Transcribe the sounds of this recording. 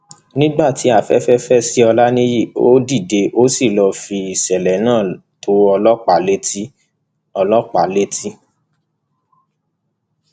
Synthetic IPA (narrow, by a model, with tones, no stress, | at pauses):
nĩ˦ɡ͡ba˦˨ti˨˦a˦˨fɛ̰˦fɛ˦fɛ˦si˦ɔ˧la˦nĩ˦i˦˨o˦di˦˨de˧˦ʔo˦si˦˨lɔ˧fi˧i˨sɛ˨lɛ˨˦nãː˦˨to˨˦ɔ˧lɔ˦k͡pa˨le˦ti˦ | ɔ˧lɔ˦k͡pa˨˦le˦ti˦